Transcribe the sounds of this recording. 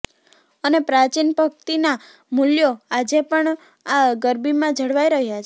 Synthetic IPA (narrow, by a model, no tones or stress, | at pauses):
ənepɾat͡ʃinpək̚t̪ina | muljoad͡ʒepəɳ | aɡəɾbimãd͡ʒʱəɽʋajɾəɦjat͡ʃʰe